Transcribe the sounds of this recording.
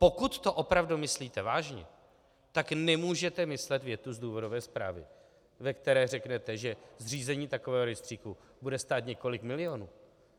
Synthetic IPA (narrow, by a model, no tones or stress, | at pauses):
po̞kut̪ːo̞ʔo̞pɾavdumɪsliːt̪ɛvaːʒɲɛ̰ | t̪aknɛmuːʒɛt̪ɛmɪslɛt̪vjɛt̪uzduːvo̞dovɛːspɾa̰ːvɪ̰ | vɛkt̪ɛɾɛːr̝ɛknɛt̪ɛʒɛzr̝iːzɛɲiːt̪akovɛːɦoɾɛst̪r̥iːku | budɛst̪aːt̪ɲɛko̞lɪkmɪlɪjo̞nuː